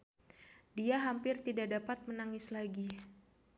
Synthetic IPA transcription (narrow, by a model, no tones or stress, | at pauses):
diaɦampɪrt̪idaʔdapat̪̚mənaŋɪslaɡi